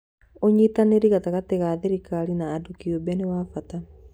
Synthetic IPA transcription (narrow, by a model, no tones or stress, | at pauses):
oɲitaneɾiɣataɣateɣaðeɾikaɾinaːdukiobɛnewafata